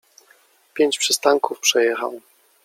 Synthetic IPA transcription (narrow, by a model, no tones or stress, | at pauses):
pʲjeɲt͡ɕpʂɘst̪aŋkufpʂɛjɛxa̰w